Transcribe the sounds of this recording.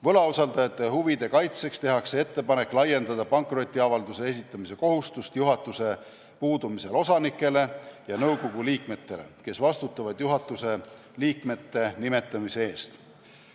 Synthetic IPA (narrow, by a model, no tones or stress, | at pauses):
vɤ̞lɑosɑld̪ɑjɑt̪ːˑe̞huvid̪̥e̞kɑjt̪se̞kst̪e̞ɦɑkse̞e̞t̪ːe̞pɑne̞kːˑlɑje̞nd̪ɑd̪ɑpɑŋkro̞t̪ʲːˑiɑvɑld̪use̞e̞s̬it̪ˑːɑmise̞ko̞ɦust̪ust̪juɦɑt̪ːˑuse̞ | puːd̪̥umise̞lo̞sɑnikːˑe̞le̞jɑnɤwko̞ɡ̥uliːkme̞t̪ːe̞le̞̰ke̞svɑst̪ut̪ːˑɑvɑd̪̥juɦɑt̪ːˑuse̞ | liːkme̞t̪ːe̞nime̞t̪ˑːɑmise̞e̞ːst̪